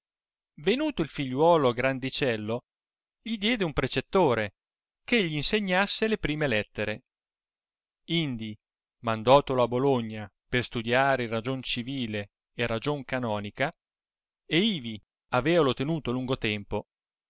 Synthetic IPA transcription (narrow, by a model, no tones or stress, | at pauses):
venuːt̪oilfiʎːwɔːloɡɾand̪it͡ʃɛlːo | ʎid̪jɛːd̪eumpɾet͡ʃet̪ːoːɾe | keʎːiːnseɲːasːelepɾiːmelɛt̪ːeɾe | ind̪i | mand̪ɔːt̪oloaboloɲːa | perst̪ud̪jaːɾeirad͡ʒont͡ʃiviːleː | rad͡ʒoŋkanɔːnika | eiːvi | aveːvalot̪enuːt̪oluŋɡot̪ɛmpo